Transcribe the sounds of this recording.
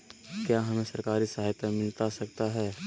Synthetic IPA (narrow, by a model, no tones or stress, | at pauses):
kjaːɦɐmẽsɐɾkaːɾisɐɦaːjt̪amɪlt̪asɐkt̪aɦɛː